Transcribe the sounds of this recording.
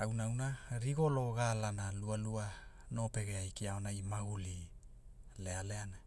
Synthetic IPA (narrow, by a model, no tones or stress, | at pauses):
awnawnaɾiɡo̞lo̞ɡalanalualua | no̞pe̞ɡeajkiaonaimaɡuli | le̞aleana